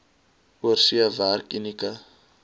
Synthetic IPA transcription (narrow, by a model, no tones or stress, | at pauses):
uərsiavarkinika